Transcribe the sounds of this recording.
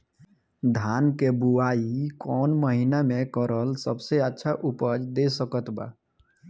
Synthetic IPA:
d̪ʱankebuaikɔnməɦinamekəɾəlsəbseətːʃʰaʔupəd͡ʒd̪esəkət̪ba̰

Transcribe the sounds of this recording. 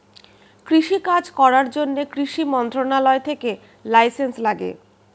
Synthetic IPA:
kɾiʃikad͡ʑkɔɾaɾd͡ʑonːekɾiʃimɔnt̪ɾonalɔet̪ʰeke | lajsenslaɡḛ

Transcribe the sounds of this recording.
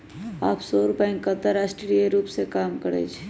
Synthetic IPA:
aːpʰsɔːɾʊpɛĩŋkət̪əɾaːsʈɾieɾuːpsekaːmkəɾḛːt͡ʃʰ

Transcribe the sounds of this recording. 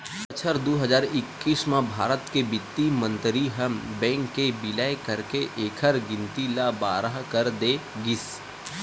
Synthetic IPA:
ət͡ʃʰəɾd̪oːɦəzaːɾɪkːiːsmãbʱaːɾət̪kebɪt̪ːimə̃nt̪ɾiɦəmbɛ̃ːŋkːebɪlaːekəɾkeʔeːkʰəɾɡɪ̃nt̪ilabaːɾəɦkəɾd̪eːɡɪs

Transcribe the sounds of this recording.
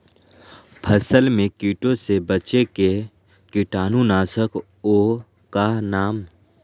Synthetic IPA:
pʰəsəlmẽkiːʈõsebət͡ʃeke | kɪʈaːnunaːsək | oː | kanaːm

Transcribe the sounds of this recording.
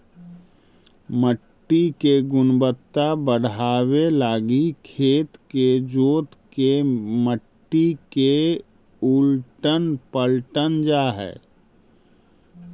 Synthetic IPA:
məʈːikeɡʊnbət̪ːabəɽ̤aːwelaːɡikʰeːt̪ked͡ʒoːt̪keməʈːike | ulʈənpəlʈənd͡ʒaːɦɛ̰ː

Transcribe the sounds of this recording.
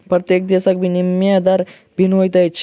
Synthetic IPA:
pɾət̪jek̚d̪esak̚bʱinimjad̪aɾ | bʱinojt̪ajt͡ʃʰ

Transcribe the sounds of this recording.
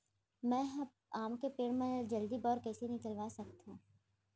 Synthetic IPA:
mɛ̃ː | aːmkepeːɽ̃mẽd͡ʒɐld̪ibɔːɾkɛːsenɪkəlʋaːsɐkt̪ãː

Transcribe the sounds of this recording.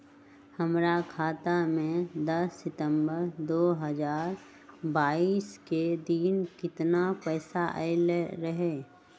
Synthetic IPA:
həmɾakʰaːt̪amẽd̪ɐsːɪt̪ə̃mbəɾd̪oːɦəzaːɾ | baːiːsked̪iːnkɪt̪napɛːsaʔelɾəɦeː

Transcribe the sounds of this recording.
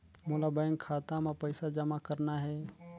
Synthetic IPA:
molabə̃ŋɡkʰaːt̪ãmẽpəɪsad͡ʒəmakəɾnaɦɛː

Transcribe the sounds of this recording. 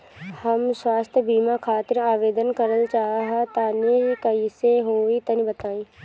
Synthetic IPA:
həmswaːst̪ʰjəbiːmakʰaːt̪ɪɾaːʋeːd̪ənkəɾəlt͡ʃaːɦaɦɛt̪aːniɦkɐiseɦoːit̪ɐnibət̪aːĩː

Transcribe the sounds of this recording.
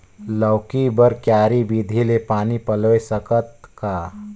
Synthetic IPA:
ləwkibəɾkjaːɾibid̪ʱilepaːnipəlʋesəkət̪̚kaː

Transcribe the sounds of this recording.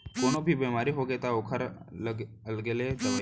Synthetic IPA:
koɽ̃obʱiːbemaɾiːɦoɡet̪aokʰəɾləɡ | əlɡeled̪əʋa

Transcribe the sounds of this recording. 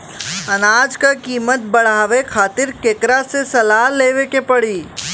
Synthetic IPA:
ɐnaːd͡ʒkakiːmət̪̚bəɽ̤aːʋekʰaːt̪ɪɾkeːkɾasesɐlaːleːʋekepəɽiː

